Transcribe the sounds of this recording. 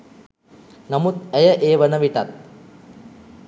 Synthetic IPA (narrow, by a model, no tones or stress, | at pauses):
namut̪̚æjəʔeːʋənəʋiʈat̪̚